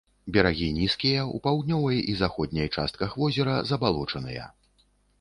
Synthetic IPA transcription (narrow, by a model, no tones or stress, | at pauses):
bʲɐɾaɣʲinʲiskʲijɐṵpawd̪nʲɔvɐjizaxɔd̪̚ʲnʲɐjt͡ʂa̰st̪̚kɐxvɔzʲɛɾɐzɐbalˠɔt͡ʂɐnɨjɐ̰